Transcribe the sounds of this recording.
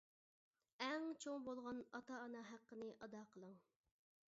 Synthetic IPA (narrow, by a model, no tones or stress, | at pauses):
ɛŋt͡ʃʰoŋbolˠʁɑnɑt̪ɑːnɑɦæqːənɨʔɑd̪ɑqʰəlˠəŋ